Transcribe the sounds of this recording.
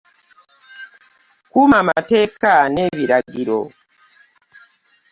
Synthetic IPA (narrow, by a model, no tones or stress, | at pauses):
kumama̰te̞ːkaneβiɾaɡiɾo̰